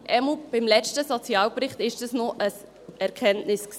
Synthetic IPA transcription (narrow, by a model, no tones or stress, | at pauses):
ʔɛmlb̥ɪmlɛt͡ʃtəsɔt͡siɑːwpɾɪχtɪʃdəsnoʔəs | ɛɾkʰɛntnɪsks